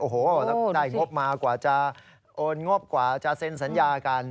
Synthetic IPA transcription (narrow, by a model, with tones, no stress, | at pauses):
ʔoː˨˩hoː˨˩lɛ˦˥daː˥˩jŋo˦˥p̚maː˧kwaː˨˩t͡ɕa˧˩ | ʔoː˧nŋo˦˥˩p̚kwaː˨˩t͡ɕa˨˩se˧nsa˨˩˦njaː˧ka˧n